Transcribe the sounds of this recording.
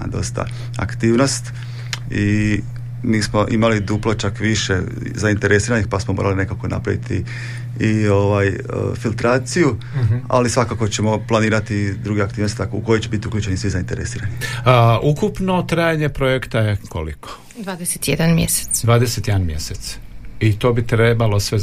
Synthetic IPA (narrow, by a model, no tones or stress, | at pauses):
d̪o̞st̪a̰ | a̰kt̪iːʋno̞st̪ | i | miːsmo̞ʔimalid̪uplˠot͡ʃakʋiʃe̞ | zaint̪e̞ɾesiːɾanixpasmomo̰ːɾaline̞kako̞na̰pɾa̰ʋḭt̪ʰi | io̞ʋaj | ə̰filˠt̪ɾaːt̪siju | a̰lisʋakako̞t͡ɕe̞mo̞plˠaniːɾat̪id̪ɾuɡeakt̪iːʋnost̪t̪akuko̞jet͡ɕebit̪iukʎʲuːt͡ɕe̞nisʋizaint̪e̞ɾḛsiːɾaniukupno̞t̪ɾaːjaɲe̞pɾo̞jekt̪ajeko̰lḭkʰo̥ | d̪ʋaːd̪eset̪jed̪anmjese̥t̪sd̪ʋaːd̪eset̪jed̪anmje̞̰set̪sit̪o̞ːbit̪ɾe̞balo̞sʋe̞